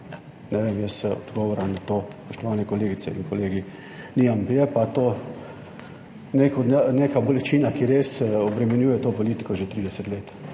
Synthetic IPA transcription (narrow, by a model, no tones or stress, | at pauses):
nɛʋeːmjəsɔ̰d̪ɡɔːʋɔɾamnat̪oːspɔʃt̪ɔʋaːnɛkɔleːɡit̪sɛ̰ḭnkɔleːɡi | niampjɛpat̪oː | nekɔnekabɔlɛt͡ʃiːnakiɾeːsɔbɾɛmɛnjuːjɛt̪oːpɔliːt̪i̥kɔʒet̪ɾid̪ɛsɛt̪leːt̪